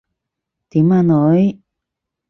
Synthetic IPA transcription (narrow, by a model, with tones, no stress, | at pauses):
t̪i˨mã˧no˨˦j